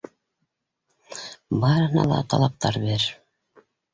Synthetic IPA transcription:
bɑɾɤ̆hɤnɑ̰lˠɑ̰t̪ʰɑ̰lˠɑp̚t̪ɑɾbeɾ

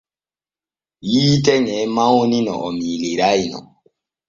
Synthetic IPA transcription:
jiːtɛɲɛmawuninɔ̰ʔɔmiliɾajnɔ̰

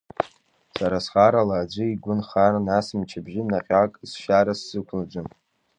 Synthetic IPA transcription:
saɾasχaɾalaːd͡ʒʷɨiɡʷʊnχarnasɨmt͡ʃʰabʒɪnaχʲakʼz̥ʃaɾasːɨkʷʰnɨd͡ʒʷʊn

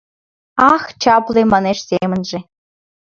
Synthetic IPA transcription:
ɑxt͡ɕɑplemɑneʂsʲemɘ̆nʒĕ

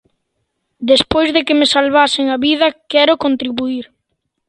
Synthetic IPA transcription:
d̪espojzðekemesalβasɪŋaβið̞ɐkɛɾokont̪ɾiβuiɾ

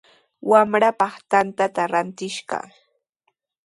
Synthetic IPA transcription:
wamɾapɑχt̪ant̪at̪aɾant̪ɪʃɢɑ̰

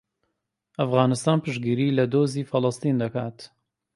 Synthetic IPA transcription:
ʔɐfɣaːnɨst̪aːnpɨʃɡiːɾiːlɐd̪oːziːfɨlˠɨst̪iːnd̪ɐkaːt̪

